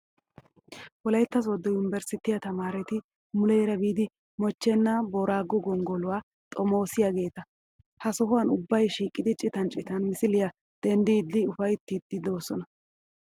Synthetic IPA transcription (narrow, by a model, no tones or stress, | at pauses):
wɔlɐjt̪ːɐs̬ɔd̪ːɔjʊnɪbɛɾsɪt̪ɪjɐt̪ɐmaːɾɛt̪ɪ | mʊlɛjɾɐbiːd̪ɪ | mɔt͡ʃːɛnːaboːɾaːɡɔɡɔŋɡɔlʊwaː | t̪ʼɔmo̞ːsɪjaɡe̞ːt̪ɐ | hɐsɔɦʊwɐnʊbːɐjʃiːkʼːɪd̪ɪt͡ʃʼːɪt̪ɐnt͡ʃʼɪt̪ɐnmɪsɪlɪjɐ | d̪̥ɛnd̪iːd̪ːɪʊfɐjt̪ːid̪ːɪd̪o̞ːsɔnɐ